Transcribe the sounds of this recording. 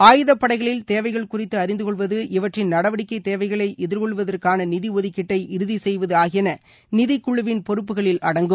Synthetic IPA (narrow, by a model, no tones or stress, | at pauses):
aːjɯðɐpːɐɽɐɪɣɐɭɪlt̪eːʋɐɪɣɐɭkʊrɪt̪ːɯɐɾɪnd̪ɯkɔɭʋɐðɯʔɪʋɐʈrɪnnɐɽɐʋɐɽɪkːɐɪt̪ːeːʋɐɪɣɐɭɐɪʔɛðɪɾkɔɭʋɐðɐrkaːnɐnɪðiɔðɪkːɪʈːɐɪʔɪɾɯðisɛjʋɐðɯaːɣɪjnɐ | nɪðɪkːʊɭːɯʋɪnpɔɾɯp̬ːɯɣɐɭɪlɐɽɐŋɡɯm